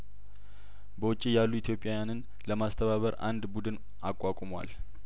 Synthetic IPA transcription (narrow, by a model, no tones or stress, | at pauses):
bəwʊt͡ʃʼːijalːuit̪ʰjo̞pʼjajanɨn | ləmast̪ʰəβaβəɾa̰nd̪bud̪ɨn | ʔakʼːakʼmwa̰l